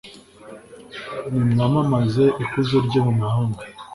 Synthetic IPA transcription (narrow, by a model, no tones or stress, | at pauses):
nimŋamamazeʔikuzeɾɟomumahaːŋɡo